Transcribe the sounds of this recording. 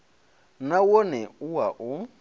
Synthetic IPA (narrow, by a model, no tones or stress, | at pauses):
nawonɛʊwaʔʊ